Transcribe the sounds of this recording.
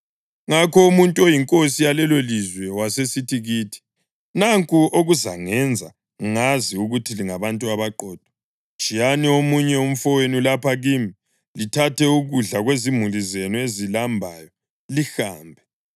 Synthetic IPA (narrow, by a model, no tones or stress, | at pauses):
ŋakɔumuntʼuojiŋkʼosijalɛlolizwɛwasesitiɣiːtʰi̥ | naŋkʼuoɣuza̰ŋɛnd͡zʱa̰ | ŋaziuɣutʰiliŋaβantʼuaβaǃɔːd̥ʱɔ̥ | t͡ʃʼijaniomuɲɛum̩fɔwenulapʰaɣimi | litʰatɛuɣuɮaɣwezimulizenuezilambʱa̰jɔ | lixa̰ːmbʱɛ